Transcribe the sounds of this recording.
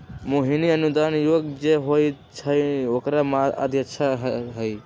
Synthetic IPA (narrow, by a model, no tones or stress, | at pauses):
moɦiniənud̪anjoɡd͡ʒeɦojt͡ʃʰəjokɾamaa̰d̪ʱjəʃʰaɦɦəj